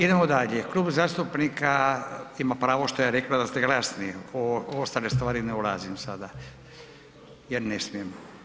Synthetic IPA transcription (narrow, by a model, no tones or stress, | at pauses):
id̪emod̪aʎeklˠuːbzaːst̪upnikaimapɾaːʋo̞ʃt̪ojaɾeklad̪ast̪eɡlasnijeoost̪ale̞st̪ʋaːɾineulazimsad̪a | jeɾnesmijemo